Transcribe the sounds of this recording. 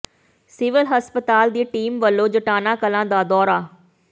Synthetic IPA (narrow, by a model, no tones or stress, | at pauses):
sɪʋɪlɦəspət̪aːld̪iːʈiːmʋəlːõːd͡ʒəʈaːnãːkəlãːd̪aːd̪ɔːɾaː